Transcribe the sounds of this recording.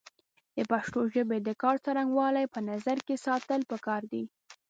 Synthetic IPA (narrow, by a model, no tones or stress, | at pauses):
d̪̥əpaʃʈ̪oʒəbed̪əkɑɾt͡saɾaŋɡwɑlajpənazaɾkesɑt̪əlpəkɑɾd̪i